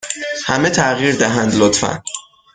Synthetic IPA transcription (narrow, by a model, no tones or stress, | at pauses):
hæmet̪ʰæɣiːɾd̪æɦænd̪lot̪fæ̰n